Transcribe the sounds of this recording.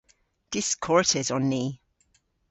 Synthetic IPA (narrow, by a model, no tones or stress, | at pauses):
d̥ɪskʰɔɹtɪzɔ̃nːiː